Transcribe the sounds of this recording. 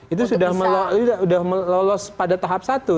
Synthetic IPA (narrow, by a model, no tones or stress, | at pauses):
it̪usudahməlɔiuaudahməlɔlɔspadat̪aɦap̚sat̪u